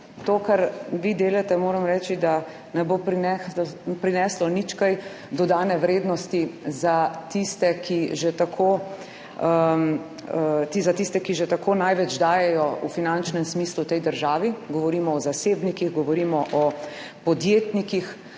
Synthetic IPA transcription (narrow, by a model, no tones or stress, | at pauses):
t̪oːkaɾʋid̪eːlat̪ɛmoːɾɐmɾɛːt͡ʃid̪a | nɛbopɾinɛɔpɾinɛːslɔnit͡ʃkaj | d̪ɔd̪aːnɛʋɾeːd̪nɔst̪izat̪ist̪ɛkiʒɛt̪akʰo | əm | t̪izat̪ist̪ɛkiʒɛt̪akonajʋɛd͡ʒd̪aːjɛjɔufinant͡ʃnɛmsmiːslut̪ɛjd̪əɾʒaːʋiɡɔʋɔɾiːmɔːzaseːbnikiɣɡɔʋɔɾiːmɔʔɔ | pɔd̪jeːt̪nikix